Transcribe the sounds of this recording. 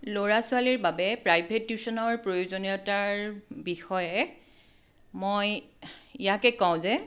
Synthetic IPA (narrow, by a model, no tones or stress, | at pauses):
loɹasʊaliɹbabɛpɹajbʱetjusɔnɔɹpɹojozoniɔtaɹbixɔjɛ | mojijakɛkãw̃zɛ